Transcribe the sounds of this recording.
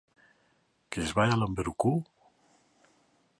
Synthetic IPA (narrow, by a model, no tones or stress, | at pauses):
kezβajalambeɾuku